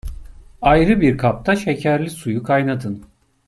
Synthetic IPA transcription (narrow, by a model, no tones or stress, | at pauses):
ajɾɯbiɾkʰap̚t̪ʰaʃe̞cʰæɾlʲisujukʰajnad̪ɯn